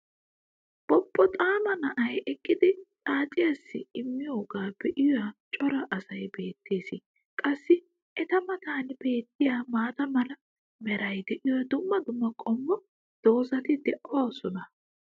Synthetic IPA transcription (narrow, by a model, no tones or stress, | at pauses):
b̥ɔpʼːɔt̪ʼaːmɐnɐʔɐjʔɛkʼːɪd̪ɪt̪ʼaːt͡ʃʼɪjɐsːɪ̰ɪmːɪjoːɡaːbɛʔɪjɔwat͡ʃʼɔɾɐʔɐsɐjbe̞ːt̪ːe̞ːsɪ | kʼɐsːɪ | ɛt̪ɐmɐt̪aːnb̥e̞ːt̪ːɪjaːmaːt̪ɐmɐlɐ | mɛɾɐjd̪ɛʔɪjɔjɐd̪ʊmːɐd̪ʊmːɐkʼɔmːɔ | d̪̥o̞ːzɐt̪ɪd̪ɛʔɔwasɔnɐ